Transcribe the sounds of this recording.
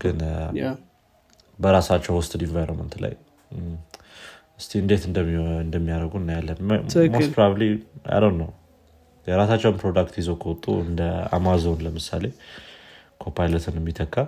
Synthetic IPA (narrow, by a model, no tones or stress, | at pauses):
ɡ̥ɨn | bəɾasat͡ʃːɛwwɔst̪ʼd̪invajɾomə̰nt̪la̰j | ɨst̪ʰiɨnd̪e̞t̪ɨnd̪ɨnd̪əmːijaɾəɡunːajalːənmospɾaβliʔa̰jləwnːəw | jɛɾasat͡ʃːɛwnpʰɾod̪akt̪jizokʰəwɔt̪ʼːṵɨ̰nd̪əa̰mazo̞nləmɨsa̰le̞ | kʰopʰajlət̪ʰɨnɛmːit̪ʰəkʰʼːa